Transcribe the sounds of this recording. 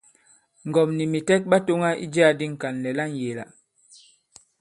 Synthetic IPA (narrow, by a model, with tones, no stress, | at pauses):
ŋ̩˨ɡɔ˨mni˨mi˨tɛ˦t̚ba˦to˦ŋa˦ʔḭ˦d͡ʒi˦a˦di˦ŋ̩˨ka˨nlɛ˨la˦n˨je˨la̰˨